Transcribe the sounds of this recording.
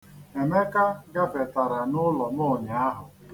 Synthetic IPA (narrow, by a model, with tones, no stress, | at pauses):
e˨me˦ka˦ɡa˦ve˨ta˨ɾa˨nʊ˦lɔ˨mʊ˦˨ɲa˨a˦ɦʊ˨